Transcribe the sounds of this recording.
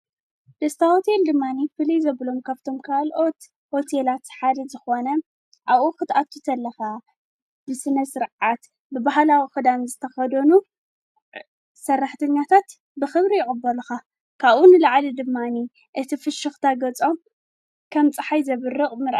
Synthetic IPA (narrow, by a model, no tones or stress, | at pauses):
d̪̥ɐst̪ʰaho̞t̪ʰe̞ld̪ɨmːanifɨlijzɐβlo̞mkʰaβt̪ʰo̞mkʰalʔo̞t̪ | ho̞t̪ʰelat̪ħad̪ɐzɨxo̞nɐ | ʔaβʔuxɨt̪ʔat̪ʰːut̪ʰɐlːɐxa | bɨsɨnɐsɨɾʕat̪ | bɨbaɦlawixɨd̪anzɨt̪ʰɐxɐd̪ɐnu | sɐrːaħt̪ʰɐɲːat̪ʰat̪ | bɨxɨβɾijɪʔʼɨbːɐluxa | kʰaβʔunɨlaʕlid̪ɨmːani | ʔɨt̪ʰifɨʃɨxt̪ʰaɡɐt͡sʼo̞m | kʰɐmt͡sʼɨħajzɐβɨrːɨχʼmɨɾʔ